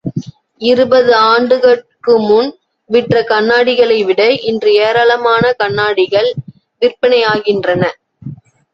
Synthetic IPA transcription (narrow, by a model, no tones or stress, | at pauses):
ɪɾɯbɐðɯaːɳɖɯɣɐkɯmʊn | ʋɪʈrɐkɐnːaːɽɪɣɐɭɐɪʋɪɽɐʔɪndrɯeːɾaːɭɐmaːnɐkɐɳːaːɽɪɣɐɭ | ʋɪrpɐnɐjaːɣɪndrɐnɐ